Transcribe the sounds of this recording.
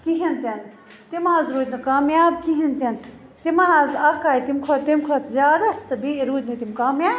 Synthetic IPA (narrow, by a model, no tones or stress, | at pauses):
kiɦint̪en | t̪imaːzɾuːd̪ʲnɐkaːmjaːbkiɦint̪ent̪imɐnaːzɐkaːjt̪imkʰot̪imkʰot̪zʲjaːd̪ast̪ɨbiɾuːd̪ʲnit̪imkaːmjaːb